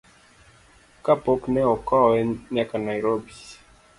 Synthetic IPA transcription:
kapɔknɛɔkɔwɛɲakanajɾobi

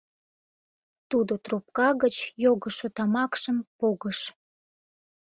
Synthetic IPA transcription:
t̪ud̪ot̪rup̚kɑɣət͡ɕjoɣəʃot̪ɑmɑkʃəmpoɣəʃ

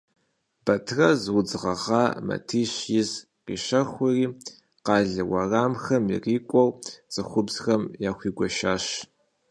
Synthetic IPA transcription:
bɐtʰrɐzwʊd͡zʁɐʁɑːmɐ̰tʰiːɕjɪz | qiːʃɐxʷʊriː | qɑːɮɨwɐraːmxɐmḭriːkʷʼɔwt͡sʼɨxʷʊbz̥xɐmjaːxʷiːɡʷɔʃaːɕ

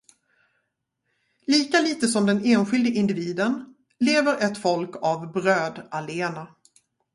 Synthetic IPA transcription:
liːkaliːt̪əsɔmd̪ɛneːnɧɪld̪əɪnd̪ɪviːd̪ən | leːvəɾɛt̪fɔlkavbɾøːd̪aleːna

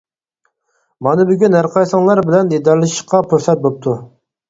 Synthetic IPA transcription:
mɑnɨbyɡʲynɦæɾqʰɑjsɑŋlˠɑɾbɪlɛnjed̪æɾlˠɨʃiʃqʰɑpʰuɾsɛt̪̚bop̚t̪ʰu

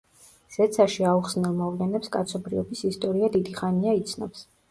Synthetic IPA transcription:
z̥ɛt̪sʰaʃiauχsnɛlˠmɔvlɛnɛpskʼa̰t̪sʰɔbɾiɔbisist̪ʼɔɾiad̪id̪iχaniait̪sʰnɔ̰ps

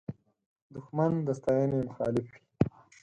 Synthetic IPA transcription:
d̪ʊxmand̪əst̪aːjanemʊxɑ̰ːlɪfwi̥

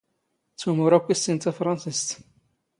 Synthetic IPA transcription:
t͡sːumʊɾˤækʷːisint̪afɾˤɑnsist̪

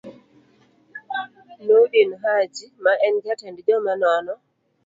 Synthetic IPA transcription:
nuɗinuɦad͡ʒimaʔɛnɡatɛndid͡ʒɔmanɔnɔ

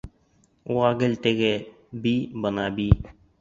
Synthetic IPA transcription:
uʁɑɡɘ̆lt̪ɘ̆ɡɘ | bibɤ̆nɑbi

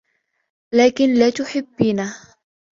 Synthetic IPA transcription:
laːkɪnlaːt̪ʊħɪbːiːna

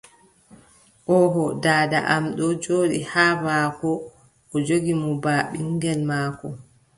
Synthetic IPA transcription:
ʔɔɦɔdaːda̰ʔamɗɔd͡ʒoːɗihaːmaːkɔ | ɔd͡ʒoɡimɔbaːɓiŋɡɛlmaːkɔ

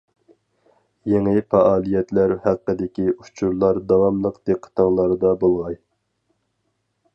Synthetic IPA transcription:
jeŋɪfɑʔɑːlˠijɛt̪læɾhæqːəd̪ɪkʲiut͡ʃʰuɾlˠɑɾd̪ɑwɑmlˠəqd̪eqʰːə̥t̪ʰɑŋlˠɑɾd̪ɑbolˠʁɑj

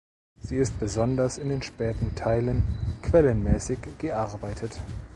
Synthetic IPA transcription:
z̥iːɪst̚b̥əzɔndɐsɪndeːnʃpɛːtn̩tʰaɪlənkʰv̥ɛlənmɛːsɪçɡ̥əʔaɐbaɪtʰət

